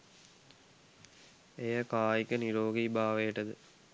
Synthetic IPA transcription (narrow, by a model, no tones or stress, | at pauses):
ejəkaːjikəniɾoːɡibʱaːʋejəʈəd̪ə